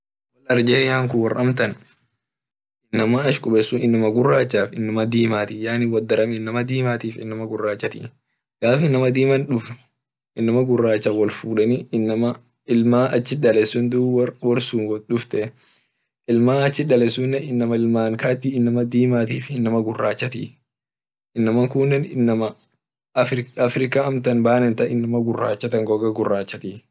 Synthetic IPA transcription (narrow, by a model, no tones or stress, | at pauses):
wɐlɐɾd͡ʒeːjaːŋkʊwɐrɐmt̪ɐn | ʔɪnːɐmaɐʃkʼʊɓɛsːunɪnːɐmɐɡʊrːaːt͡ʃːaːfɪnːɐmɐd̪iːmaːt̪ijaːnɪwɐd̪ːɐɾɐmɪnːɐmɐd̪iːmaːt̪iːfɪ̰nːɐmɐɡʊrːaːt͡ʃːɐt̪ḭː | ɡ̥aːfɪnːɐmɐd̪iːmɐnᶑʊf | ʔɪnːɐmɐɡʊrːaːt͡ʃːawɐlfuːᶑɐninːɐmɐ | ɪlmaːʔɐt͡ʃːɪᶑɐlɛsʊnd̪uwɔɾsuːnwɔᶑʊft̪ɛ | ʔɪlmaːɐt͡ʃːɪᶑɐlɛsunːɛɪnːɐmɐɪlmaːŋkaːt̪ːiːɪnːɐmɐd̪iːmaːt̪iːfɪnːɐmɐɡʊrːaːt͡ʃːɐt̪ḭː | ɪnːɐmɐŋkunːɛnɪnːɐmɐ | fɾɪɐfɾɪkaɐmt̪ɐnbaːnɛnt̪ɐɪnːɐmɐɡʊrːa̰ːt͡ʃːɐt̪ɐŋɡɔɡɐɡʊrːaːt͡ʃːɐt̪iː